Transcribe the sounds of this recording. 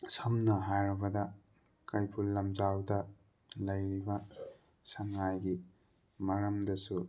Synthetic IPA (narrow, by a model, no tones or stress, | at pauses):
sɐmnɐɦajɾɐbɐdɐ | kɐjpʰulːɐmzawdɐ | lɐjɾibɐ | sɐŋajɡi | mɐɾɐmdɐsu